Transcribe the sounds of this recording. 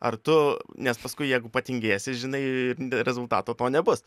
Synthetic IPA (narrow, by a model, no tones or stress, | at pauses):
ɐ̰rt̪ʊnʲɛspɐskʊɪjɛɪɡʊpɐt̪ʲɪŋʲɡʲeːsʲɪʒʲɪnɐɪɾʲɛzʊlˠt̪ɑ̰ːt̪oːt̪oːnʲɛbʊs